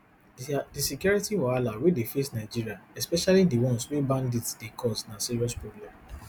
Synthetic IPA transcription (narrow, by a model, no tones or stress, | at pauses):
disikjɔɹitiwɔalawedefesnaɪd͡ʒiɹiaɛspɛʃalidewɔ̃nswebãnditd̥ekʰɔsnasiɹiɔspɹɔblɛ̃m